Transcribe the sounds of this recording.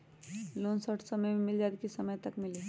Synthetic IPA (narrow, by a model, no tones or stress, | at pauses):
lonsəʈʰsəməjmemɪld͡ʒad̪kisəməjt̪əkmili